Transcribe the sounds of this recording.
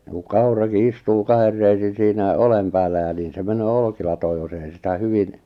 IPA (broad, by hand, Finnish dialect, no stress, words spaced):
ku kɑurɑki istuː kɑher reisin̞ siːnæ olem pæːlːæ jɑ niːn se menøː olkilɑtoːj jos ei sitæ hyʋin